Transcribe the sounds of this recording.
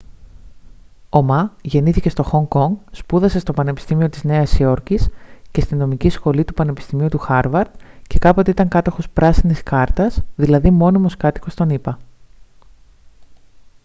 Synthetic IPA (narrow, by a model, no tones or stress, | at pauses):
o̞mɐʝe̞niθice̞st̪o̞xo̞ŋko̞ŋɡspuðɐse̞st̪o̞pɐne̞pi̥st̪imio̞t̪izne̞ɐsio̞ɾcisce̞st̪ino̞micisxo̞lit̪upɐne̞pi̥st̪imiut̪uxɐɾvɐɾd̪ce̞kɐpo̞t̪eit̪ɐŋkɐt̪o̞xo̞spɾɐsiniskɐɾt̪ɐsðilɐðimo̞nimo̞skɐt̪i̥ko̞st̪o̞nipɐ